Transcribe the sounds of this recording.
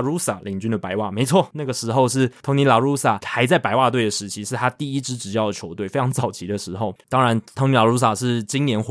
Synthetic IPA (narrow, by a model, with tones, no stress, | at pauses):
ɻu˥sa˨˩li˨˩ŋt͡ɕy˥nd̪ə˨pa˧˥ɪwa̰˥˩me˧˥ɪt͡sʰwɔ˥˨na˥˩ɡə˩ʂɻ̩˧˥xo˥˧ʊʂ̬ɻ̩˥˩t̪ʰo˧˥ŋni˧˥la˨˧˩ɻu˥sa˨˩xa˧˥ɪt͡sa˥˩ɪpa˧˥ɪwa˥˧t̪we˥˩ɪd̪ə˩ʂɻ̩˧˥t͡ɕʰi˧˥ʂɻ̩˥˩t̪ʰa˥t̪i˥˩i˥ʈ͡ʂɻ̩˥ʈ͡ʂɻ̩˨˩t͡ɕjɑ˥˩ʊd̪ə˩t͡ɕʰjo˧˥ʊt̪we˥˩ɪfe˥ɪɑ˧˥ŋt͡sɑ˨˩ʊt͡ɕʰi˧˥d̪ə˨˧ʂɻ̩˧˥xo˥˩ʊt̪ɑ˥ŋɻa˧˥nt̪ʰo˧˥ŋni˧˥la˨˩ɻu˧˥s̬a˨˩ʂɻ̩˥˩t͡ɕi˥ŋnjɛ˧˥nx